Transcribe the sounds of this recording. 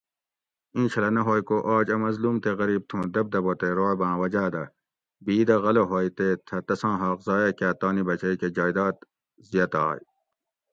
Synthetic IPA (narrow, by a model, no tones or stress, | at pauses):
ĩːɕʰɐlɐnɐɦoːjkoʔaːd͡ʑɐmɐzluːmt̪eɣɐɾiːb̚t̪ʰũːd̪ɐb̚d̪ɐbot̪eɾoːbãːwɐd͡ʑaːd̪ɐ | biːd̪ɐɣɐloɦoːjt̪et̪ʰɐt̪ɐsɑ̃ːɦɑːqzɑːjɐkaːt̪ɑːnibɐt͡ɕɐiked͡ʒaːjd̪ɑːt̪ | zijɐt̪aːj